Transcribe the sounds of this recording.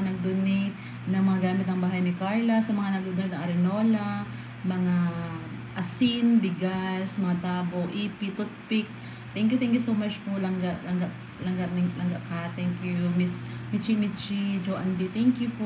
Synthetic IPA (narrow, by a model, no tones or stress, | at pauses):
anɐɡ̚d̪ʊnɪ | nɐŋmɐŋaɡaːmɪt̪nɐŋbaːɦɐjnikaɹlɐsɐmɐŋanɐɡ̚d̪ud̪ʊnɪt̪̚nɐŋʔɐɾɪnoːla | mɐŋa | ʔɐsɪnbɪɡasmɐŋat̪aːboʔipit̪ʊt̪̚pɪk̚ | t̪ɛŋkjut̪ɛŋkjusowmat͡ʃpolɐŋɡaʔlɐŋɡaʔ | lɐŋɡaʔnɪlɐŋɡaʔkat̪ɛŋkjumismit͡ʃimit͡ʃid͡ʒoʔɐnbit̪ɛŋkjupʔ